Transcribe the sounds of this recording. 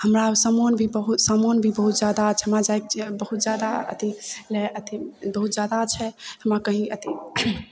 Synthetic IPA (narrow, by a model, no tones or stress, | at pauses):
həmɾasəmonbʱibəɦut̪səmonbʱibəɦut̪d͡ʒjad̪at͡ʃʰɦəmɾad͡ʒajk̚bəɦut̪̚d͡ʒjad̪aə̰t̪ilɛət̪ibəɦut̪d͡ʒjad̪at͡ʃʰɛhəmɾakəɦĩət̪i